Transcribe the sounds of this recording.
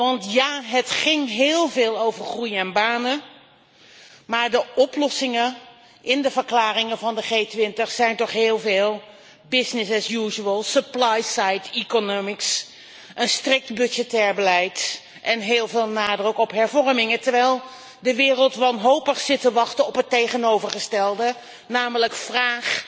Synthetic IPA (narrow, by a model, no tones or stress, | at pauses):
ʋɑntjaːɦətχɪŋɦɪːlˠveːlˠowvəɹχrujɛnbaːnə | maːɹdəʔɔplɔsɪŋə | ʔɪndəvəɹklaːrɪŋəvɑndəχeːtʋɪntəχsɛjntɔχɦɪːlˠveːlˠ | bɪsnɪsɛsjuːʒəəlˠsəplajsajtikonomɪks | ʔənstrɪk̚tbɵd͡ʒətɛːɹbəlɛjt | ʔɛnɦeːlˠveːlˠnaːdrəkɔpɦɛɹvɔɹmɪŋətəɹʋɛjlˠ | dəʋɪːrəlˠtʋɑnɦowpəχsɪtəʋɑχtəɔpɦətejχənowvəɹχəstɛlˠdə | naːmələkfraːχ